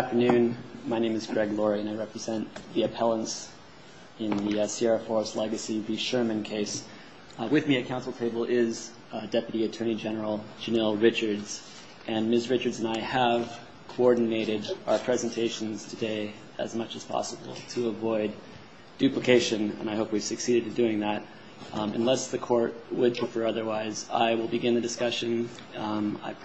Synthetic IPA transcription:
ftə˞nʉ̃nmaɪnẽɪ̃mɨzɡɹɛɡlɔɹiɨ̃naɪɹɛpɹɨzɛ̃nðiɨpʰɛlˠə̃ns | ɪ̃nðisiɑɹfɔɹslɛɡɨsiviʃɜ˞mɨ̃nkʰeɪs | wɨðmiɨkʰãʊ̃nsl̩ˠtʰeɪbl̩ˠɪz | dɛpjɨɾiɨtʰɜ̃˞nid͡ʒɛnə˞l̩ˠd͡ʒɨnɛlˠɹɪt͡ʃə˞dz̥ | ʔɨ̃nmɪsɹɪt͡ʃə˞dzɨ̃naɪəv̥ | kʰoɔɹdⁿn̩eɪɾɪɾaə˞pʰɹ̥ɛzɨ̃n̩tʰeɪʃɨ̃n̩z̥tʰɨdeɪ | ɨ̰zmʌt͡ʃɨz̥pʰɑ̰səbl̩ˠtʰəːvɔɪd̚ | ʉpləkʰeɪʃɨ̃nɨ̰̃naɪɦoʊpwiv̥sɨksiɾɨɾɨ̃ndʉɪ̃ŋðət̚ | ɨ̰̃nlɛsðɨkʰɔɹt̚wəd̚pʰɹ̥ɨfɜ˞ʌðə˞waɪza̰ɪwəlˠbɨɡɪ̃nðɨdɨskʌʃɨ̃n | a̰ɪ

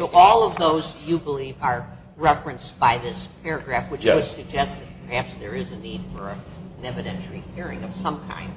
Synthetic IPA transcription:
oʊʔɔlˠʌvðoʊzjɨbəlivə˞ | ɹɛfɹɨ̃nsb̥aɪðɪspʰɛɹɨɡɹæfwɨt͡ʃwɨdsɨɡ̚d͡ʒɛst̪̚ðɨt̚pʰə˞hæpsðə˞ɪzɨnid̥fə˞ɨnɛvɨɾɛ̃ntɹihiɹɪ̰̃ŋʌv̥sʌ̃mkʰã̰ɪ̃nd̥̚

